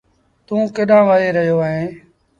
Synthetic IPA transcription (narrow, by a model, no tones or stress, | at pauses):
t̪ũːkɪɗãːʋəɾeːɾəɦɪjoːəːɦẽː